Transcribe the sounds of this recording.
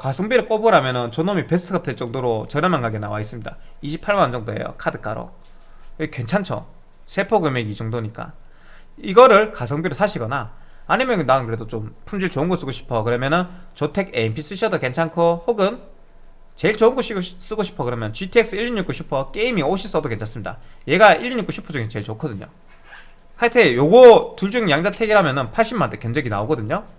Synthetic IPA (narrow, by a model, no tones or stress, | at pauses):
kasʰʌŋbiɾɯɭk͈obʌɾamjʌnɯnt͡ɕonomipe̞sʰɯtʰɯɡatʰɯɭt͡ɕ͈ʌŋdoɾot͡ɕʌɾjʌmanɡaɡena̰wais͈ɯmɲida̰iɕʰipʰːaɭmand͡ʑʌŋdoe̞̰jo̰kʰadɯk͈aɾo̰ | kwe̞nt͡ɕʰant͡ɕʰʌ | sʰe̞pʰoɡɯmeɡid͡ʑʌŋdoɲik͈a̰ | iɡʌɾɯɭkasʰʌŋbiɾosʰaɕʰiɡʌnaː | ɲimjʌnnaɯnkɯɾe̞dot͡ɕompʰund͡ʑiɭt͡ɕoɯnɡʌs͈ɯɡoɕʰi̥pʰʌkɯɾʌmjʌnɯnt͡ɕotʰe̞ɡeimpʰis͈ɯɕʰʌdoke̞nt͡ɕʰankʰohoɡɯn | t͡ɕe̞iɭt͡ɕoɯnɡʌɕ͈ʰis͈ɯɡoɕʰi̥pʰʌkɯɾʌmjʌnt͡ɕitʰiek̚s͈ɯiʎːɲuk͈uɕʰupʰʌk͈eimioɕʰis͈ʌdoke̞nt͡ɕʰans͈ɯmɲida̰je̞ɡaʔiɭɲuk͈ːuɕʰi̥pʰʌd͡ʑuŋesʰt͡ɕe̞ɭt͡ɕokʰʌdɯɲo̰ | kʰatʰejoɡʌtuɭd͡ʑuŋjaŋd͡ʑatʰeɡiɾɦamjʌnɯnpʰaɭɕ͈ʰimantʰokend͡ʑeɡina̰oɡʌdɯɲo